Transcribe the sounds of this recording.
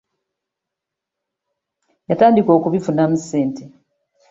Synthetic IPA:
jataːndiko̞ːkuβifunamuse̞ːnte

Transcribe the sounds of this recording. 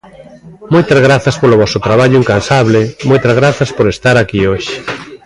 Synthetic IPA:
mojt̪azɣ̞ɾaθɐspolʊβɔsʊt̪ɾaβ̞aʎʊiŋkansaβlɪmojt̪azɣ̞ɾaθɐspoɾest̪aɾakioʃɪ̥

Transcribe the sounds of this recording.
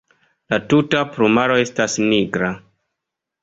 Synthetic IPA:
latutapɾumaɾo̞e̞stasniɡɾa

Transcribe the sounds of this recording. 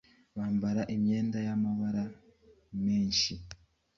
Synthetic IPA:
βaːmbaɾaʔimjeːndajamaβaɾa | meːɲʃi

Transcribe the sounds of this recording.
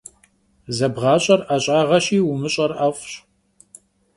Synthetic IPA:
zɐbʁɑːɕʼɐraːɕʼaːʁɐɕiːwʊmɨɕʼɐrafɕ

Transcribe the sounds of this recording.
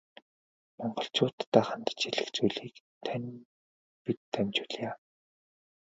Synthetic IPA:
mɔɴɢɞ̆ɬt͡ɕʊːt̪ːaːχant̪ə̥̆t͡ɕiɮɘ̆xt͡sujɮiːk | t̪ʰænʲ | pit̪ʰːæmʲt͡ɕʊɮjaː

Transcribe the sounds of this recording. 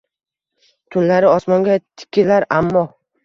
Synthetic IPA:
t̪ʰʊnlaɾɪɒsmɒŋɡʲat̪ʰɪ̥kʲʰːɪlaɾamːɒ

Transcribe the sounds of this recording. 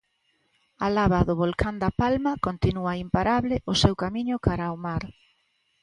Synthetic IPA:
alaβaðʊβolkand̪ɐpalmɐkont̪inuɐimpaɾaβlɪʔʊsewkamiɲʊkaɾaomaɾ

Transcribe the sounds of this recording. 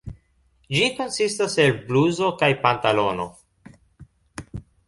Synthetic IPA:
d͡ʒiko̞nsistaselbluzo̞kajpantalo̞no̞̰

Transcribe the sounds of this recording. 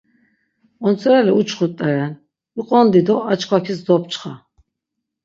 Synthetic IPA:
ɔnt͡sʰɔɾɛlɛut͡ʃʰχut̪ʼːɛɾɛn | iqʼɔnd̪id̪ɔat͡ʃʰkʰwakʰisd̪ɔp̚ʰt͡ʃʰχa̰

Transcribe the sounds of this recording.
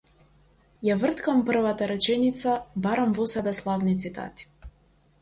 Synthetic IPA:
javr̩t̪kampr̩vat̪aɾɛt͡ʃɛnit̪sabaɾamvɔsɛbɛslˠavnit̪sit̪a̰t̪i̥

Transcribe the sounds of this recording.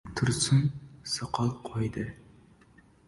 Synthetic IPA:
t̪ʰuɾsunsɑqʰɑlˠqʰojd̪ɨ

